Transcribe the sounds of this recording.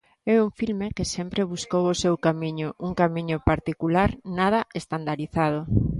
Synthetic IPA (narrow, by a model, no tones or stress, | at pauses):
ɛuɱfilmekesɛmpɾeβuskowosewkamiɲʊʔuŋkamiɲʊpaɾt̪ikulaɾnað̞ɐest̪and̪aɾiθað̞o